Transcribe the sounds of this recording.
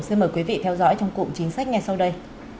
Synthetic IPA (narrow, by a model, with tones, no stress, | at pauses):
si˧nməː˨˩jkwi˨˦vḭ˧˨t̪ʰɛ˧wzɔ̰˧˥jt͡ɕɔ˧wŋ͡mkṵ˧˨t͡ɕï˨˦ŋ̟sa˦˥k̟̚ŋa˨˩jsa˧wɗə˧j